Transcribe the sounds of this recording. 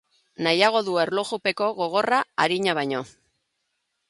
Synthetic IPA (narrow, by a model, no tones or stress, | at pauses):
najaɣ̞o̞ðue̞ɾloɣupe̞ko̞ɣo̞ɣ̞o̞raaɾiɲaβajɲo̞